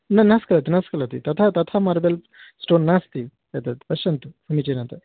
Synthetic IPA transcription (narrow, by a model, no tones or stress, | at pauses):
nɐnaskɐlat̪inaskɐlat̪ḭt̪ɐt̪ʰat̪ɐt̪ʰamaːɾbel | sʈoːnːast̪i | ɐt̪at̪pɐɕɐnt̪ufʰunit͡ɕenat̪ɐ